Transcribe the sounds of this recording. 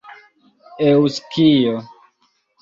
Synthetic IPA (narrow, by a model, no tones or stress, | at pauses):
ewuskijo